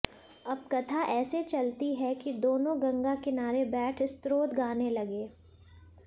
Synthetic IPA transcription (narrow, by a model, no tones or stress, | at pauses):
ɐb̚kɐt̪ʰaʔɛːset͡ʃɐlt̪iɦɛkid̪oːnõɡɐ̃ŋɡakɪnaːɾebɛːʈʰɪst̪ɾoːt̪ɡaːnelɐɡeː